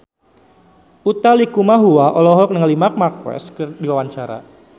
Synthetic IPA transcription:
ut̪alikumaɦuaʔɔlɔɦɔlk̚nəŋəlimak̚markwɛ̰skədiwawaɲt͡ʃaɾa̰

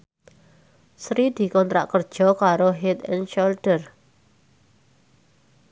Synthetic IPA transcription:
sɾid̪̥i̤kɔnt̪ɾa̰ʔkərd̥ʒ̥ɔ̤kaɾoɦet̪ɛ̰nʃɔldər

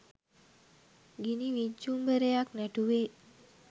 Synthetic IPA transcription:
ɡiniʋid͡ʒumbəɾejaknɛʈuʋe

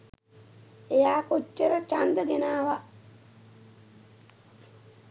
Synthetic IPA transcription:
ejaːkot͡ʃːəɾət͡ʃand̪əɡenaːʋaʔ

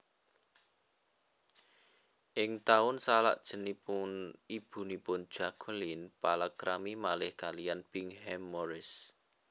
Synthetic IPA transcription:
ʔɪŋt̪aʊnsala̰ʔd̥ʒ̥ə̤nipʊnib̥ṳnipʊn̥ʒ̥a̤ɡ̥ʰəlinpalakɾamimalɪhkalijanpɪŋhɛmːɔɾɪs

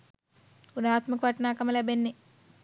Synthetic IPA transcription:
unaːt̪mɐkɐʋɐʈnaːkɐmɐlɐbenːi

